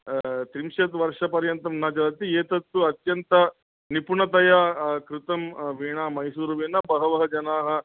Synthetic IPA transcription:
t̪ɾimʃɐt̪ʋɐɾʂɐpɐɾjɐnt̪ɐmnɐd͡ʒɐɾɐt̪ieːt̪ɐt̪ːuɐt̪jɐnt̪ɐ | nipuɳɐt̪ɐjakɾɪt̪ɐmʋiːɳaːmɐjsuːɾuʋinɐbɐɦɐʋɐɦɐd͡ʒɐnaːɦɐ̆

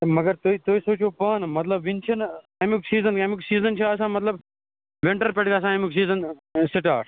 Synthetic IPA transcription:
mɐɡəɾt̪oit̪oːisoːt͡ʃʰoːpɐnmɐt̪ləbʋint͡ʃʰɐn | emuksiːzənkemuksiːzənt͡ʃʰaɐsãːmɐt̪ləb | ʋeɳʈɐɾpeʈɡasãːemuksiːzənsiʈaːʈ

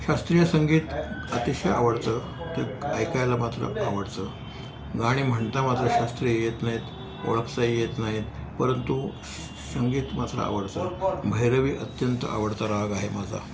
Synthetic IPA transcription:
ɕast̪ɾijəsəŋɡiːt̪ət̪iɕeaʋəɽt̪əː | t̪əajkajlamat̪ɾə̰aʋəɽt̪əː | ɡaɽ̃iːm̤əɳt̪amat̪ɾəɕast̪ɾijjet̪naɦiːt̪ | o̰ɭəkʰsajjet̪naɦit̪ | pəɾənt̪u | səŋɡiːt̪mat̪ɾə̰a̰ʋəɽt̪əːbʱəjɾəʋiːʔət̪jənt̪əa̰ʋəɽt̪aɾaaɡaɦemad͡zʱa̰

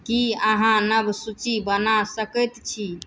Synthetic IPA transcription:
kiəɦãnəbʱsut͡ʃibənasəkət̪t͡ʃʰi

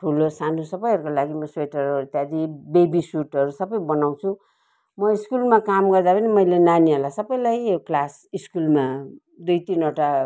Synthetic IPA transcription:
ʈʰulosanosʌbʌjɦʌɾukolaɡimʌsweʈʌɾʌɾut̪jad̪ibebisuʈʌɾusʌbʌjbʌnaw̃t͡sʰũ | mʌiskulmakamɡʌrd̪apʰʌnimʌjlenaniɦʌlasʌbʌjlajoklas | iskulma | d̪ujt̪inʌʈa

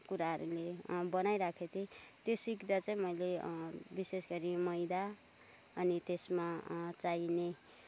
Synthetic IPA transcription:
kuɾaɦʌɾulebʌnajɾakʰet̪ʰi | t̪josikd̪at͡sʌĩmʌjlebisesɡʌɾimʌjd̪a | ʌnit̪esmat͡saine

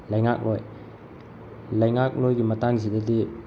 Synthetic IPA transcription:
lɐjŋak̚loj | lɐjŋak̚lojɡimɐtaŋzidɐdi

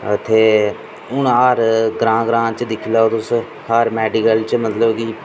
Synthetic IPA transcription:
ət̪ʰeː | ʊnaːɾɡɾãːɡɾãːt͡ʃd̪ɪkʰilaot̪ʊs | haɾmɛːɖikəlt͡ʃmət̪ləbki

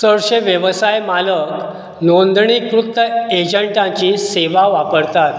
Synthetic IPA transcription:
səɾɕeʋjəʋəsajmalək | nond̪ɳikɾut̪ːəed͡ʑəɳʈãt͡ɕiseʋaʋapəɾt̪at̪

